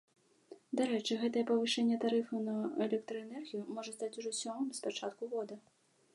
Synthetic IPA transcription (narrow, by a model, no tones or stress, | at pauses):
d̪aɾɛt͡ʂɨɣɛt̪ɐjɛpɐvɨʂɛnʲːɛt̪aɾɨfɐnɐɛlʲɛk̚t̪ɾɐɛnɛrɣʲijumɔʐɐst̪at͡sʲuʐɔsʲɔmɨmʲspat͡ʂat̪kuɣɔd̪ɐ